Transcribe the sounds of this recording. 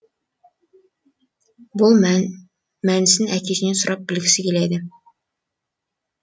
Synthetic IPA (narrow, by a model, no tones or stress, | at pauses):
bulˠ | mɛnɪsɪnɪʔækʲʰesɪnɪsuɾɑp̚bɪlɡʲi̥sɪkʲʰelɛjd̪ɪ